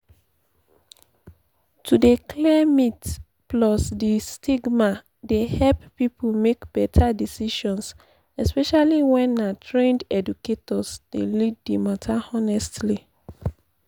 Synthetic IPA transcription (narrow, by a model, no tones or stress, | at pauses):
tʰudekʰlɛmit | plɔsdistʰiɡma | dehɛlppipʰomekb̥ɛtʰadisiʃɔ̃ns | ɛspɛʃaliwɛ̃nːatʰɹẽndɛduketɔsd̥eliddimatʰaɔnɛstli